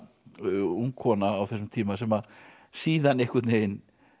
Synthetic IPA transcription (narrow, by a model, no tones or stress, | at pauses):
uŋkʰɔnaːwθɛs̬ːʏmt̪ʰiːmasɛmað | siːðanehkʏt̪nejɪn